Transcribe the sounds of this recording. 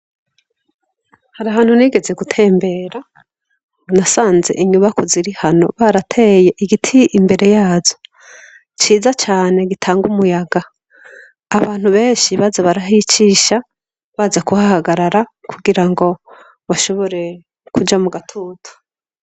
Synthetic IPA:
haɾaɦaːn̥huniːɡe̞ze̞ɡutʰe̞ːmbe̞ɾa | nasaːnze̞̰ʔiɲuβakuziɾihano̞̰βaɾatʰeːje̞ʔiɡitʰiʔimbe̞ɾe̞jaːzo̞̥ | t͡ʃiːzat͡ʃaːne̞ɡitʰaːŋɡumujaɡaː | βaːn̥huβe̞ːɲʃiβazaβaɾaɦit͡ʃiːʃa | βaːzakuhahaɡaɾaɾakuɡiɾaŋɡo̞ | βaʃo̞βo̞ɾe̞ | kud͡ʒamuɡatʰuːtʰu̥

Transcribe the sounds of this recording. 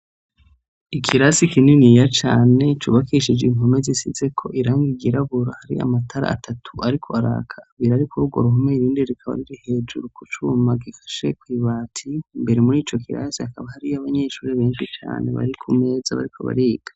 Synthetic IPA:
ikʰiɾasikininijat͡ʃaːne̞t͡ʃuβakiʃid͡ʒeiŋɦo̞mezisize̞kʰo̞ʔiɾaːŋɡiɡiɾaβuɾahaɾḭa̰matʰaɾa̰ːtʰatʰuʔaɾikʰo̞aɾa̰kʰaːβiɾaɾikuɾuːɡwoɾuɦumeiɾiːndeɾikʰaβa̰ɾiɾihe̞ːd͡ʒuɾukut͡ʃumaɡifḁʃe̞kwiβaːtʰimbe̞ɾemuɾiːt͡ʃo̞kʰiɾa̰sihakaβahaɾiaβaɲe̞ʃuːɾeβe̞ːnʃit͡ʃa̰ːne̞̰βa̰ɾikʰume̞ːzaβa̰ɾikʰo̞̰βa̰ɾiːɡ̥ḁ

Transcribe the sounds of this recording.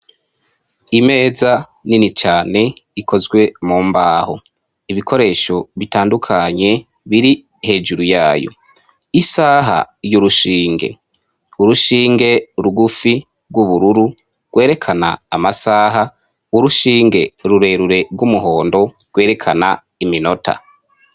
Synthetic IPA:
ime̞ːzaninit͡ʃaːne̞ikʰo̞zɡwe̞muːmbaːho̰ | iβikʰo̞ɾe̞ːʃo̞βitaːndukʰaɲe̞ | βiɾi | he̞ːd͡ʒuɾujaːjo̞̰ | isaːɦa̰juɾuʃiːŋɡe̞̰ | uɾuʃiːŋɡe̞ɾuɡufi | ɡwuβuɾuɾu | ɡ̥wʔeːɾe̞kʰana̰ːmasaːɦa | uɾuʃiːŋɡe̞ɾuɾe̞ːɾuɾe̞bɡwumuɦo̞ːndo̞ | ɡ̥we̞ːɾe̞kʰana̰ | imino̞tʰa̰

